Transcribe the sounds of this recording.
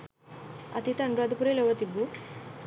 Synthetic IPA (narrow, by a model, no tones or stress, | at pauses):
ɐ̰t̪ʰit̪ɐɳɖɾuad̪upuɾeloʋət̪ibu